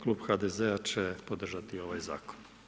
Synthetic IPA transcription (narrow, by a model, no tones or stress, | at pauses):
klˠuːbxad̪ezeat͡ʃepod̪r̩ʒat̪io̞ʋajza̰ːkon